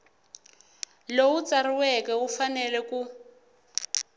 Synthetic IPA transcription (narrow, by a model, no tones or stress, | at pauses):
lout͡sariwɛkɛufanɛlɛku